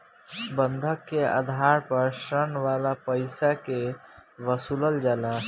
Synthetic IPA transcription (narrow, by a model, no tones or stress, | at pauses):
bənd̪ʱəkːea̰d̪ʱaɾpəɾsɾənʋalapəɪsakeʋəsuləld͡ʒala